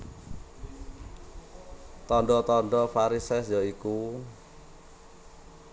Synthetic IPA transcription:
t̪ɔɳɖɔt̪ɔɳɖɔfaɾisɛsjɔiku

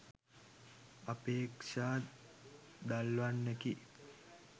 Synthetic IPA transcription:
apeːkʂaː | d̪alʋanːeki

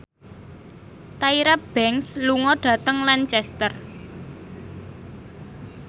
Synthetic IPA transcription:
t̪aiɾab̥ɛŋsluŋɔɖ̥ä̤t̪əŋlant͡ʃɛst̪ər

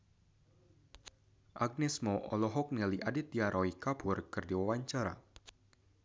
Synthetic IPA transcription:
ʔaɡ̚nɛsmɔʔɔlɔɦɔk̚nɛliʔadɪt̪̚diaɾʔɔikapʊrkɨrdiwawaɲt͡ʃaɾa̰

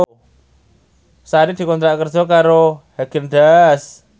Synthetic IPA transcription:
saɾid̪̥i̤kɔnt̪ɾaʔkərd͡ʒɔkaɾohaɡ̥ənd̪as

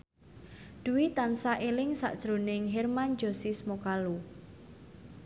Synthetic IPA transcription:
d̪̥ṳwit̪ansaʔelɪŋsa̰ʔd̥ʒ̥ɾonɪŋɦermand͡ʒo̤sismokalu

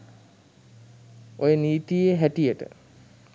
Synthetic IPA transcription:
ojəniːt̪ijeɦæʈijəʈə̰

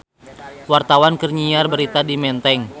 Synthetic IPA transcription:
wart̪awankərɲiarbəɾit̪adimɛnt̪ɛŋ

